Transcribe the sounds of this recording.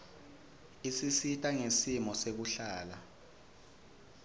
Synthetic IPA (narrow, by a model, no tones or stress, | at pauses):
isisitʼaŋesimɔsek̬uɬaːla